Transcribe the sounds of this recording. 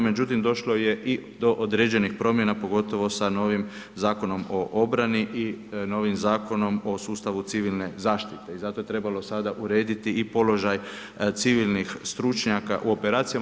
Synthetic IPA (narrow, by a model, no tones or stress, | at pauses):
me̞d͡ʒut̪imd̪o̞ʃlo̞je̞ʔid̪o̞ʔod̪ɾe̞ːd͡ʒe̞nixpɾo̞mje̞napo̞ɡo̞t̪o̞ʋo̞sano̞ːʋim | zaːko̞no̞moʔo̞bɾaniʔino̞ːʋimzaːko̞no̞mo̞suːst̪aʋut̪siʋilne̞zaːʃt̪it̪e̞izat̪o̞je̞t̪ɾe̞balosad̪aʔuɾe̞ːd̪it̪iipo̞lo̞ʒaj | t̪siʋilnixst̪ɾut͡ʃɲakaʔuo̞pe̞ɾaːt̪sija